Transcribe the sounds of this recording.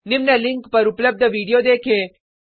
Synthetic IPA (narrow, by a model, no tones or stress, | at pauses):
nɪmnɐlɪ̃ŋkpɐɾʊpləb̚d̪ʱəʋiːɽijod̪eːkʰẽː